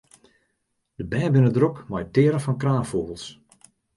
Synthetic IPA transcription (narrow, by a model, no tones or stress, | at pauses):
d̥əbɛːbɪnədrokmɔjtɪəɾəfɔnkraːfoːɣəlˠs